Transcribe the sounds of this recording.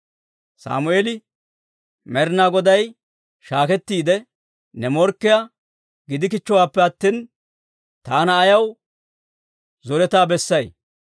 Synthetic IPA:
sa̰ːmʊeːlɪ | mɛɾnaːɡɔd̪ɐj | ʃaːkɛt̪ːiːd̪ɛ | nɛmɔɾkːɪja | ɡɪd̪ɪkɪt͡ʃːɔwaːpːɛɐt̪ːiːn | t̪aːnɐːjɐw | zɔɾɛt̪aːbɛsːɐj

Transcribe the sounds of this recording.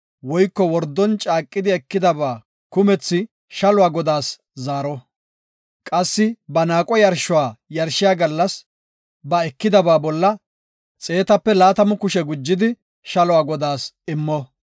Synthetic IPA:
wɔjkːɔwɔɾd̪ːɔnt͡ʃʼaːkʼːɪd̪ɪɛkːɪd̪ɐbaː | kʊmɛt͡sːɪ | ʃɐlʊwaːɡɔd̪aːs | zaːɾɔ | kʼɐsːɪbɐnaːkʼɔjɐɾʃʊwaːjɐɾʃɪjaːɡɐlːɐs | bɐɛkːɪd̪ɐbaːbɔlːɐ | t͡sʼe̞ːt̪ɐpːɛlaːt̪ɐmʊkʊʃɛɡʊd͡ʒːɪd̪ɪ | ʃɐlʊwaːɡɔd̪aːs | ɪmːɔ

